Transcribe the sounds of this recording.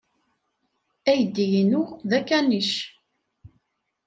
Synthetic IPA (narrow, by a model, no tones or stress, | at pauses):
æjəd̪ːijənʊʁðækːæniʃ